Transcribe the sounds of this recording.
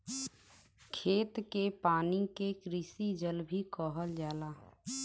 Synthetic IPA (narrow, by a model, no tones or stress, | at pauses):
kʰeːt̪kepaːnikekɾisid͡ʒəlbʱikɔɦəld͡ʒaːlaː